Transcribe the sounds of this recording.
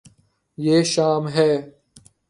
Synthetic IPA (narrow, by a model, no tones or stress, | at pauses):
jeːʃaːmɦɛː